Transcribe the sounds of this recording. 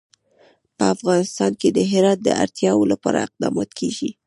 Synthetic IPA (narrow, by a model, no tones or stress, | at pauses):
pəafɣɑnɪst̪ɑnked̪əɦɪɾɑt̪̚d̪əa̰ɾt̪jɑwolapɑɾaɪq̚d̪ɑmɑt̪kʰeɡi